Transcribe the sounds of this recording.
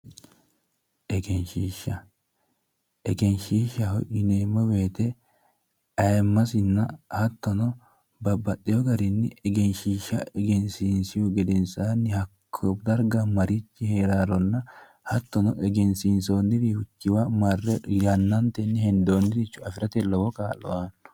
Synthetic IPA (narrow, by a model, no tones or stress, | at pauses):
ʔɛɡɛnʃiːʃːɐ | ʔɛɡɛnʃiːʃɐhɔjʔɪneːmːɔweːt̪ɛ | ɐjmːɐsɪnːɐhɐt̪ːɔnɔ | bɐbːɐtʼːɪjɔɡɐɾɪnːɪɛɡɛnʃiːʃɐ̰ɛɡɛnsinsɪjʊɡɛd̪ɛnsaːnːɪhɐkʰːɔbd̪ɐɾɡɐmɐɾɪt͡ʃːɪheːɾaːɾɔnːɐ | hɐt̪ːɔnɔʔɛɡɛnsinso̞ːnːɪɾihʊt͡ʃːɪwamɐrːɛjɐnːɐnt̪ɛnːɪhɛnd̪oːnːɪd̪ɪt͡ʃːʊɐfɪɾɐt̪ɛlɔwɔkaːlɔ̰ʔaːnːʊ̥